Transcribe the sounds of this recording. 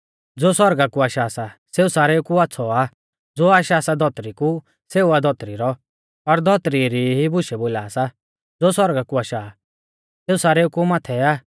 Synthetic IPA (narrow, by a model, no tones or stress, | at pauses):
d͡zoːsɔɾɡakuaːʃasaseːusaːɾɛukuatːsʰɔa | d͡zoːaːʃasad̪ʱɔt̪ɾiku | seːuad̪ʱɔt̪ɾiɾɔ | ɔɾd̪ʱɔt̪ɾiɾiɦibʊʃɛboːlaːsa | d͡zoːsɔɾɡakuaːʃa | seːusaːɾɛukumaːt̪ʰɛa